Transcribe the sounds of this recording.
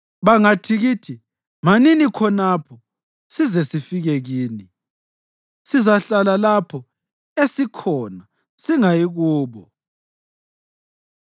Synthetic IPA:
βaŋatʰiɣiːtʰi | maninikʰɔnapʰɔ | sizɛsifiɣɛɣiːni | sizaɬalalapʰɔ | esikʰɔna | siŋajiɣuːβɔ

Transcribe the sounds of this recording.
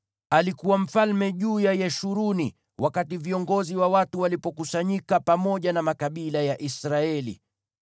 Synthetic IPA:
alikuwam̩falmɛʄuːjajɛʃuɾuni | wʔakativiɔŋɡɔziwawatuwalipɔkusaɲikapamɔʄanamakaɓilajaʔisɾaɛlḭ

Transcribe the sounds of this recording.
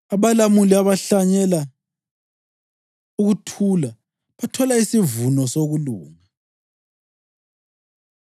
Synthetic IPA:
aβalamuliaβaɬaɲɛla | uɣutʰula | βatʰɔlaisivunɔsoɣuluːŋa

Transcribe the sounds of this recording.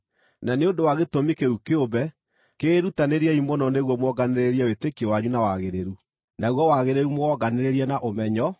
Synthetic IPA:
naneondowaɣetomikeukeobɛ | keːɾutaneɾiɛimɔnɔneɣwɔmwɔɡaneɾeɾiɛwetekiewaɲunawaɣeɾeɾu | naɣwɔwaɣeɾeɾumoɔɡaneɾeɾiɛnaʔomɛɲɔ

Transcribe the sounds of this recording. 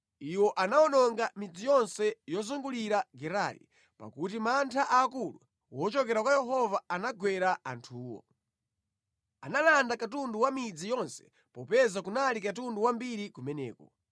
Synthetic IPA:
iwɔʔanawɔnɔŋɡamid͡zijɔnsɛjɔzuŋɡuliɾaɡɛɾalḭ | pa̰kut̬imantʰaʔaːkulu | wɔt͡ʃɔkɛɾakwajɛɦɔvaːnaɡwɛɾaa̰ntʰuːwɔ̰ | analandakatunduwamid͡zijɔnsɛ̥ | pɔpɛzakunalikat̬unduwambiɾikumɛnɛ̰ːkɔ

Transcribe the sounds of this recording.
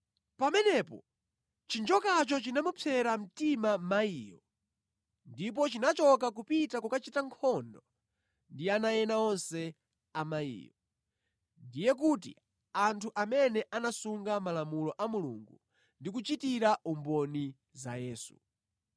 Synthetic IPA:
pamɛnɛpɔ̰ | t͡ʃind͡ʒɔkat͡ʃɔt͡ʃinamupʰɛɾam̩timamaiːjɔ | ndip̬ɔt͡ʃinat͡ʃɔk̬ak̬upitakukat͡ʃitaŋkʰɔndɔ | ndianajɛnaɔnsɛ | amaḭːjɔ | ndijɛk̬ut̬ḭ | antʰuʔamɛnɛʔanasuŋɡamalamulɔʔamulṵŋɡu | ndik̬ut͡ʃitiɾaʔumbɔni | zajɛːsu

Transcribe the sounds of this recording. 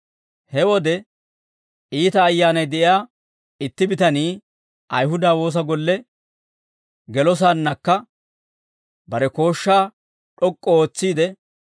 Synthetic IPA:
hɛwɔd̪ɛ | iːt̪ɐːjːaːnɐjd̪ɛʔɪaː | ɪt̪ːɪbɪt̪ɐniː | ʔɐjɦʊd̪aːwo̞ːs̬ɐɡɔlːɛ | ɡɛlɔs̬aːnːɐkːɐ | bɐɾɛko̞ːʃːaː | ᶑɔkʼːɔoːt͡sːiːd̪ɛ

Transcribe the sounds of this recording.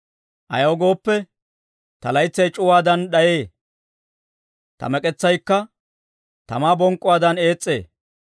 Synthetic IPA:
ʔɐ̰jɐwɡo̞ːpːɛ | t̪ɐlɐjt͡sːɐjt͡ʃʼʊwaːd̪ɐnɗɐjeː | t̪ɐ̰mɛkʼɛt͡sːɐjkːɐ | t̪ɐmaːbɔŋkʼːʊwaːd̪ɐne̞ːt͡sʼːe̞̰ː

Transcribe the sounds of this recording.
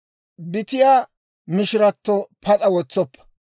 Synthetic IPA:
bɪt̪ɪjaː | mɪʃɪɾɐt̪ːɔpʰɐt͡sʼɐwɔt͡sːɔpːɐ̥

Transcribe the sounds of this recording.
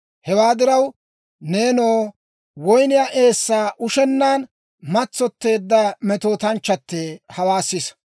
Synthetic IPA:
hɛwaːd̪ɪɾɐw | neːnoː | wɔjnɪjaːʔe̞ːsːaːʔʊʃɛnːaːn | mɐt͡sːɔt̪ːe̞ːd̪ːɐmɛt̪oːt̪ɐnt͡ʃːɐt̪ːehɐwaːsːɪs

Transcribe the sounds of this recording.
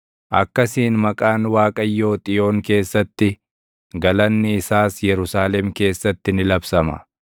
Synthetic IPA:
ʔɐkːɐsiːnmɐkʼaːnwaːkʼɐjːo̞ːt̪ʼɪjo̞ːŋke̞ːsːɐt̪ːɪ | ɡɐlɐnːɪɪsaːsjɛɾʊsaːlɛmke̞ːsːɐt̪ːɪnɪlɐbsɐmɐ̰

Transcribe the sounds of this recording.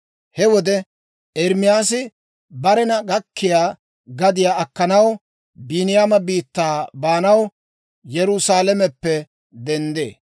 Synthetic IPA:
hɛwɔd̪ɛ | ɛɾmɪjaːs̬ɪ | bɐɾɛnɐɡɐkʰːɪjaː | ɡɐd̪ɪjaːʔɐkːɐnɐw | binɪjaːmɐbiːt̪ːaːbaːnɐw | jɛɾʊsaːlɛmɛpːɛ | d̪ɛnd̪ḛː

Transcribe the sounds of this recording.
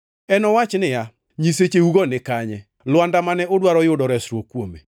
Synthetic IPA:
ɛnɔwat͡ʃnɪja | ɲiset͡ʃeuɡɔnɪkaɲɛ | lwandamanɛʊdwaɾɔjʊdɔɾɛsɾwokwomḛ

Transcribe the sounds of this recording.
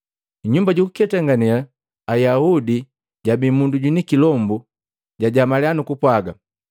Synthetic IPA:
ɲumbaɟuku̥kɛtaŋɡanɛla | ajaudi | ɟabimunduɟunikilɔmbu | ɟaɟamalɛanukupwaɡa

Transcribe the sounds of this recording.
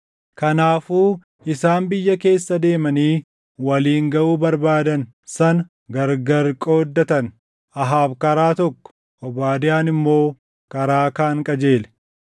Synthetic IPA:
kɐnaːfuː | ɪsaːmbɪjːɐke̞ːsːɐd̪e̞ːmɐniː | wɐliːŋɡɐʔuːbɐɾbaːd̪ɐn | sɐn | ɡɐɾɡɐɾkʼo̞ːd̪ːɐt̪ɐn | ʔɐɦaːfkɐɾaːt̪ɔkːɔ̥ | ʔɔbaːd̪ɪjaːnɪmːo̞ː | kɐɾaːkaːŋkʼɐd͡ʒe̞ːlɛ̥

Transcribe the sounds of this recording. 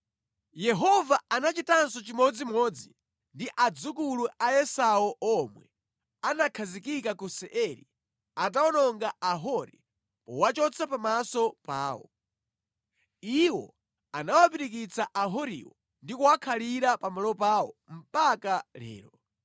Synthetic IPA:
jɛɦɔvaanat͡ʃitansɔt͡ʃimɔd͡zimɔːd͡zi | ndiʔad͡zukuluʔaɛsaɔʔɔmwɛ̰ | anakʰazikikakusɛʔɛɾḭ | at̬aɔnɔŋɡaaɦɔɾi | pɔ̰wat͡ʃɔt͡sʰapamasɔpa̰ːwɔ̰ | iwɔ̰ | anawapiɾik̬it͡saʔaɦɔɾḭwɔ | ndikuwakʰaliɾapamalɔpaːwɔ̰m̩pakalɛ̰ːɾɔ

